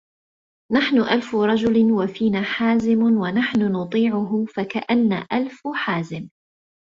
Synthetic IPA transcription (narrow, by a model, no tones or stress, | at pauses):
naħnʊʔalfʊɾˤɑd͡ʒʊlɪwafiːnaːħaːzɪmwanaħnʊnʊt̪ˤiːʕʊɦʊfakaʔanːa̰ːʔalfħaːzɪm